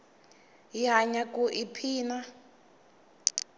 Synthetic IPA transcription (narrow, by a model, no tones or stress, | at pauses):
jaɲakuʔipʰiːna